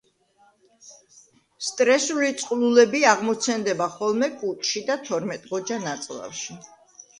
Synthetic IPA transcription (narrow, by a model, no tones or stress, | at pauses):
st̪ʼɾɛsulit̪sʼqʼlulɛbiaʁmɔt̪sʰɛnd̪ɛbaχɔlˠmɛkʼut̪ʼʃid̪at̪ʰɔɾmɛt̪ʼʁɔd͡ʒanat̪sʼlˠa̰fʃi